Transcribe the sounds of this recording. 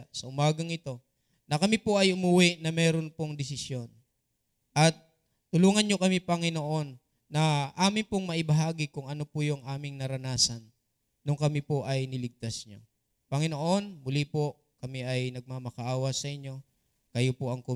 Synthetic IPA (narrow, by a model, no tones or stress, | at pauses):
sɐʔʊmaːɡɐŋɪt̪o̞ | nɐkɐmipo̞ʔɐjʔʊmuwɪʔnɐmɛːɾo̞npoŋd̪ɪsɪsjo̞n | ʔɐt̪̚ː | ʊluːŋɐnɲo̞kɐmipɐŋɪno̞ʔo̞nː | ɐʔaːmɪnpoŋmɐʔɪbɐɦaːɡɪkʊŋɐno̞pʊjʊŋʔaːmɪŋnɐɾɐnaːsɐnː | ʊŋkɐmipoʔɐjnɪlɪɡ̚t̪asɲo̞̰ | pɐŋɪnoʔo̞nmʊlipo̞ | kɐmiʔɐjnɐɡ̚mamɐkɐʔaːwɐsɐʔɪɲːo̞ | kɐjopoʔɐŋkʊ